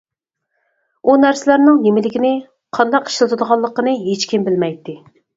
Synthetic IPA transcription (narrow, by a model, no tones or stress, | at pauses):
unæɾsɪlæɾnɪŋnemɪlɪkʲinɪ | qʰɑnd̪ɑqi̥ʃlˠɨt̪ʰud̪əʁɑlˠːəqːənɨɦet͡ʃkʲimbɪlmɛjt̪ːɪ